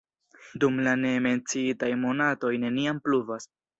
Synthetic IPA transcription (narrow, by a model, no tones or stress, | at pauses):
dumlane̞me̞nt͡siitajmo̞nato̞jne̞niampluvas